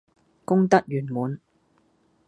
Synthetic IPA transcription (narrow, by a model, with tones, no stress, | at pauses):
kʊ˥ŋt̪ɐ˥k̚jyː˨˩nmuː˨˧n